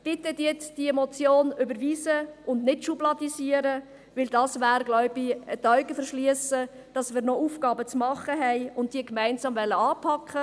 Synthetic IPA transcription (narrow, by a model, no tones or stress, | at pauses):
b̥ɪtədjɛt͡sd̥iɛmɔt͡sjoːnʏbəɾʋiːsəʔʊndnɪtʃublɑdisiəɾə | ʋɪldɑːsʋæːɾɡlɔʊbiətœɥɡəfəɾʃliəsə | d̥ɑsmɪːɾnɔʔuːfɡ̥ɑːbət͡smɑχəɦɛɪʊnt̚d̥iːəkmæɪnsɑːmvɛlːəɑːpʰɑkʰːə